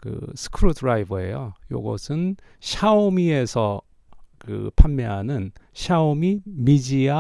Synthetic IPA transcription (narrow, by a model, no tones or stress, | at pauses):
kɯ̰sʰɯ̥kʰɯɾutʰɾaibɯe̞̰jojo̰ɡʌ̰sʰɯn | ɕʰaomie̞sʰʌ | kɯ̰pʰanmeɦanɯnɕʰaomimid͡ʑia